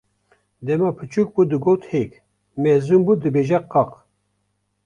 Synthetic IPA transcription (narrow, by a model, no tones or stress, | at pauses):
d̪ɛmɑpʰɨt͡ʃuk̚bud̪ɨɡoːt̪hek | mɛzumbud̪ɨbeʒɛqɑq